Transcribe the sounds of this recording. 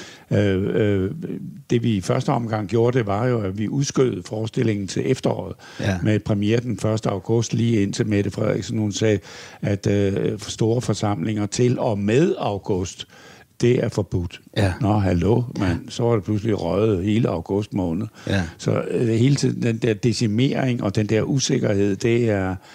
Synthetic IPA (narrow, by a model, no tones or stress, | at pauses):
ø | d̥e̝ʋifɶɐsd̥əɒ̽mɡ̥ɑ̈ŋ̰ɡ̥jo̝ːɐd̥e̝ʋɑ̈jo̝æʋiʔuðˠsɡ̥øð̩ˠəfɒːsd̥e̝le̝ŋn̩t͡sʰe̝lʔefd̥ɐɒ̰ːð̞̩ˠ | mepʰʁɛmieːɐd̥enfɶɐsd̥əɑ̈ʊɡ̥ɔ̽sd̥liːe̝n̰t͡sʰe̝med̥əfʁɛð̰ˠḭɡ̥snhunsɛːæd̥sd̥o̝ːɐfɒ̽sɑ̈m̰le̝ŋɐt͡sʰe̝lɒ̽með̞ˠɑ̈ʊɡ̥ɔ̽sd̥ː | e̝æɐfɒb̥ud̥nɒɦælomensɒ̽ʋɑ̈d̥e̝pʰlus̬liʁœð̩ˠhe̝ːləɑ̈ʊɡ̥ɔ̽sd̥mɔ̰̽ːnð̩ˠsɒ̽he̝ːlət͡sʰið̰ˠn̩d̥end̥eɐ̰d̥esime̝ɐ̰eŋɒd̥end̥ɛɐ̰ʔuse̝ɡ̥ɐhe̝ð̰ˠd̥e̝æɐ